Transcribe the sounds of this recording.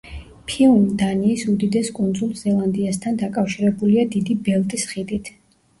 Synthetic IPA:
pʰilˠmd̪aniːsud̪id̪ɛskʼund̪zulˠzɛlˠand̪iast̪ʰand̪akʼafʃiɾɛbuliad̪id̪ibɛlˠt̪ʼisχid̪it̪ʰ

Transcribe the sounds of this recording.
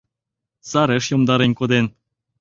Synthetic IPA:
sɑɾĕʃjomd̪ɑɾenʲkod̪en

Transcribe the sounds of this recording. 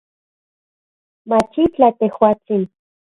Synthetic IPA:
mat͡ʃit͡ɬat̪ehwaːt͡sin

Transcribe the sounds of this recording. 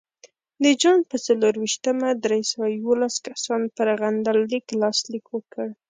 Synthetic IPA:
d̪əd͡ʒɑnpət͡saloɾwiʃt̪əmad̪ɾejsawajwolaskasɑnpəɾɣand̪alːiklɑslikwəkəɽ

